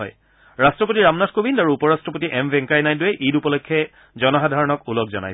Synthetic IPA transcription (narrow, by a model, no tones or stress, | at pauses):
ɔ̰j | ɹastɹɔp̬otiɹamnatkobindaɹuupɔɹastɹɔpotiʔɛmbʱɛŋkajnajdʊɛʔidupɔlɔjkʰːɛ | zɔnɔɦadʱaɹɔnɔkulɔk̚zɔ̰na̰j